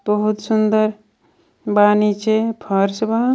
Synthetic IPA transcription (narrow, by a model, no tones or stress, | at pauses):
b̥əɦut̪sund̪əɾ | baːnit͡ʃʰepʰʌɾsba